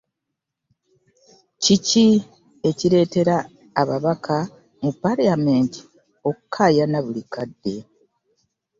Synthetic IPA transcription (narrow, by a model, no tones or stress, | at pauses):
cici | e̞ciɾe̞ːte̞ɾaː | βaβakʰa | mupaɾamenti̥ | o̞kukʰːaːjanaβulikadːe̞